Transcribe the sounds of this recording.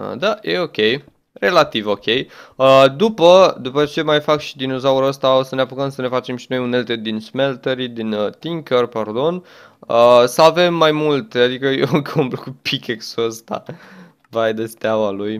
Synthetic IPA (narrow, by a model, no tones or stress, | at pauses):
ə̰d̪ajʔe̞o̞kʲe̞j | re̞lat̪ivo̞kʲe̞jəd̪upəd̪upət͡ʃe̞majfakʃi̥d̪ino̞zauɾəst̪ao̞səneapukəmsəne̞fat͡ʃe̞mʃino̞june̞lt̪ed̪insmelt̪eɾid̪int̪iŋkərpard̪o̞n | əsəave̞mːajmult̪ad̪ikəjokʰumplukupʰikeksuəst̪a̰ | vajd̪est̪eawaluj